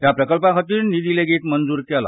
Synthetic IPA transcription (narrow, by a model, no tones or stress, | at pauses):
t̪japɾəkəlpãkʰət̪iːɳnid̪ileɡeːt̪mənd͡zuːɾkɛla̰